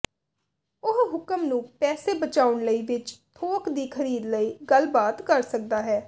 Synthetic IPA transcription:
ʊɦɦʊkəmnũːpɛːseːbət͡ʃaːʊɳləiːʋɪt͡ʃt̪ʰoːkd̪iːkʰəɾiːd̪ləiːɡəlbaːt̪kəɾsək̚d̪aːɦɛː

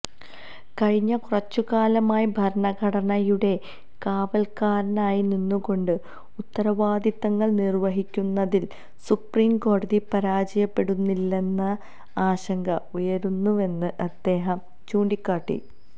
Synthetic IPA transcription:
kɐɻiɲːɐkurɐt͡ɕːuɣaːlɐmaːjibʱɐɾɳɐɡʱɐɽɐɳɐjuɽe̞ | kaːʋɐlkaːɾɐnaːjininːuko̞ɳɖɨ | ut̪ːɐɾɐʋaːd̪it̪ːɐŋːɐɭnirʋɐɦikʲːunːɐðil | supriːmko̞ːɽɐðipɐɾaːd͡ʑɐjɐpːe̞ɽunːilːe̞nːɐ | aːɕɐŋɡɐujɐɾunːue̞nːɨʔɐd̪̥ːe̞ːɦɐm | t͡ɕuːɳɖikʲːaːʈːḭ

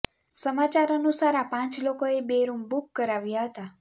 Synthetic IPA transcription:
səmat͡ʃaɾənusaɾapãt͡ʃlokoebeɾumbukːəɾaʋjaɦət̪a

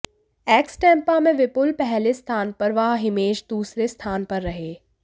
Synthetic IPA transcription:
ɛːksʈɛ̃ːmpamẽʋɪpʊlpɛɦlest̪ʰaːnpɐɾʋaɦɦɪmeːʃd̪uːsɾest̪ʰaːnpɐɾːɐɦeː

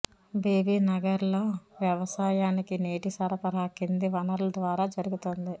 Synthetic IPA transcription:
biːbiːnɐɡɐɾloːʋjɐʋɐsaːjaːnikineːʈisɐɾɐpɐɾɐɦɐkːind̪iʋɐnɐɾlɐd̪ʋaːɾaːd͡ʒɐɾuɡut̪ond̪i

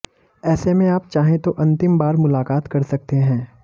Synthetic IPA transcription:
ɛːsemẽaːpt͡ʃaːɦẽt̪oʔɐ̃nt̪ɪmbaːɾmʊlaːkaːt̪kɐɾsɐkt̪eɦɛ̃ː

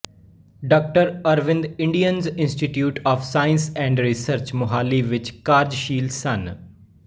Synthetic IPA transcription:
ɖɔːk̚ʈəɾɐɾʋɪ̃nd̪ɪ̃ɳɖijənzɪ̃nsʈiʈjuːʈɔːfsaːɪ̃nsɛ̃ːɳɖɾisəɾt͡ʃmʊɦaːliʋɪt͡ʃkaːɾd͡ʒʃiːlsɐn

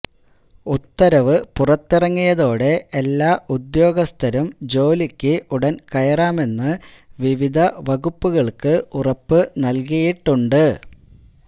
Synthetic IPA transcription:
ut̪ːɐɾɐʋɨpurɐt̪ːirɐŋːijɐðo̞ːɽe̞ʔelːaːʔud̪jo̞ːɡɐst̪ʰɐɾumd͡ʑo̞ːlikʲːɨʔuɽɐnkɐjɐraːme̞nːɨ | ʋiʋid̪ʱɐʋɐɣupːuɣɐɭkɨʔurɐpːɨnɐlkijiʈːuɳɖɨ

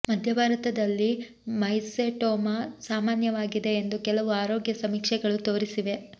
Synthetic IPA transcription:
mɐd̪ʱjɐbʱaːɾɐt̪ɐd̪ɐlːi | mɐjseʈoːmɐsaːmaːnjɐʋaːɡid̪e̞ːnd̪ukɛlɐʋuaːɾoːɡjɐsɐmiːkʂɛɡɐɭut̪oːɾisiʋe̞

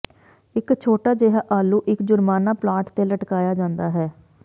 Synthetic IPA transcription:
ɪkt͡ʃʰoːʈaːd͡ʒeɦaːʔaːlːuːʔɪkd͡ʒʊɾmaːnaːplaːʈt̪eːləʈkaːjaːd͡ʒãːnd̪aːɦɛː

